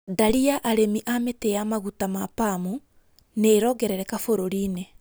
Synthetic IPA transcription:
daɾiaʔaɾemiʔametejamaɣutamapamu | neːɾɔɡɛɾɛɾɛkafoɾoɾiːne

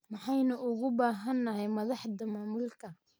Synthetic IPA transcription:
mɑħɑjnʊʔʊɣʊbaːɦɐnːɐɦɛjmɐðɑħd̪ɐmaːmuːlkʰɐ

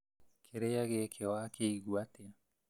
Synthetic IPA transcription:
kʰeɾejaɡekʰewaːkeiɡuat̪ea

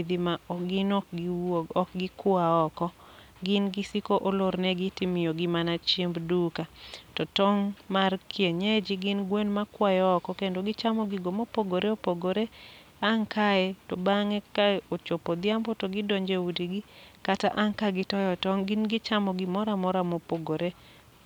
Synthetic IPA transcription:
d̪ɪmaɔɡɪnɔkɡɔkɡɪkwaɔkɔ | ɡɪnɡɪsikoʔoloɾnɛɡitimɪjoɡɪmanat͡ʃimbdukatɔtɔŋmarkʰjeɲed͡ʒiɡɪnɡwenmakwajɔːkɔkendoɡɪt͡ʃamɔɡɪɡomopoɡoɾeopoɡoɾe | aŋkaɛtobaŋɛkaot͡ʃopod̪ɪambɔtoɡɪdoɲd͡ʒewudiɡikataʔaŋkaɡɪtɔjɔtɔŋɡɪnɡɪt͡ʃamɔɡɪmɔɾamɔɾamopoɡoɾe

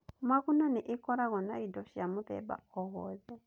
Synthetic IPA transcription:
makunaniʔikɔɾaɣɔnaidɔʃiamuðɛ̰ba̰ɔɦɔzɛ

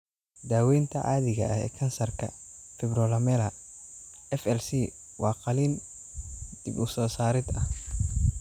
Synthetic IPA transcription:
d̪aːwɛjnt̪ʰɐʕa̰ːðɪɣɐ̰ʔɐhɛ̰ːkʰɐnsɐrkʰɐ̰fɪbrɔːlɐmɛːlɐ | ɛfɛlsiː | wɑːqɑliːn | d̪̥ɪbʊsɔːsaːɾɪd̪ɐh

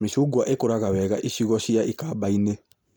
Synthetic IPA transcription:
misuɡwaʔekoɾakawɛɡa̰ʔiʃiɡɔʃijaʔikabaine

